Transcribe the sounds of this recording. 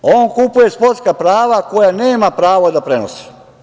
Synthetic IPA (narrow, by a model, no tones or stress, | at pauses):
o̞ːnkupuje̞spo̞ɾt̪skapɾaːʋako̞jane̞ːmapɾaːʋod̪apɾe̞nosi̥